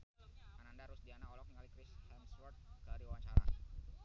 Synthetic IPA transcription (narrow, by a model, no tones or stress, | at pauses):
manandaɾʊsdianaɔlɔk̚niŋalikɾɪshɛmswɔrt̪̚kaɾiwawaɲt͡ʃaɾa̰